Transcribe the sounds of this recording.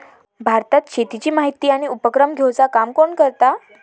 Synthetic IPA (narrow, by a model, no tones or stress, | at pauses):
bʱaɾt̪at̪ɕet̪it͡ɕiːmaɦit̪iːaɽ̃iupəkɾəmɡʱewt͡sakamkoɳkəɾt̪a